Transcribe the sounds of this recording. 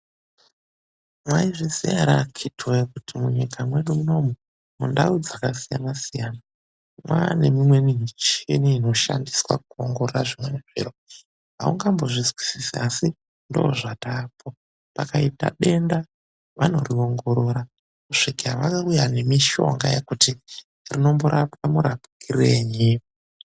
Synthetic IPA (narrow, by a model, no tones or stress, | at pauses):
mwaiʐisijaɾakʰitʰoekutʰimuɲikʰamwe̞ɗumuno̞mu | mundaud͡zakasija̰nasijaːna | mwane̞mimwe̞nimit͡ʃeniːno̞ʃandiswa̰k̚uoŋɡo̞roraʐimwe̞neʐḭro | ɦa̰ṵŋɡambo̞ʐizwisisiasi | ndo̞̰ːʐataːpʰo | pakaita̰ɗe̞nda | ʋano̞rio̞ŋɡo̞ɾo̞ɾa | kuʂikiaʋakaujane̞miʃo̞̰ŋɡa̰jekuti | rino̞mbuɾʔapamuɾapikʰire̞ɲi